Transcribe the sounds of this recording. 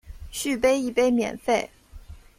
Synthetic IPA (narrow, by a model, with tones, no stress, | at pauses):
ɕy˥˩p̬e˥ɪi˥˩pe˥ɪmjɛ̰˨˩nfe˥˩ɪ